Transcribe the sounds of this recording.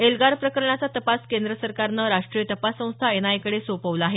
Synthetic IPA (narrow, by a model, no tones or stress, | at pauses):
elɡaɾpɾəkəɾɳat͡sat̪əpaskend̪ɾəsəɾkaɾnəɾaʂʈɾijət̪əpasːə̃w̃st̪ʰaenajkəɽesopəʋləaɦe